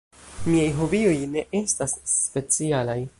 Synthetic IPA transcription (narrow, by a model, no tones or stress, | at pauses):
miajɦo̞vio̞jne̞ʔe̞stasːpe̞t͡sialaj